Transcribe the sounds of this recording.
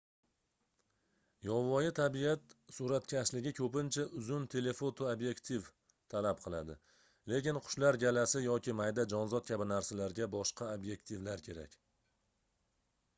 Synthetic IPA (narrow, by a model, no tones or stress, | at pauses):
jɒvɒjɪt̪ʰabiat̪suɾat̪̚kʲʰaslɪɡʲɪkʲʰɵpɪnt͡ʃʰaʔʊzʊnt̪ʰe̞le̞fot̪ʰoabje̞kt̪ʰiv | t̪ʰalapqʰɨlˠad̪ɪ | le̞kʲɪnqʰʊ̥ʃlaɾɡʲalasɪjɒkʲɪmajd̪ad͡ʒɒnzɒt̪̚kʲʰabɪnaɾsalaɾɡʲabɒʃqʰɑabje̞kt̪ʰivlaɾkʲʰe̞ɾa̰kʲ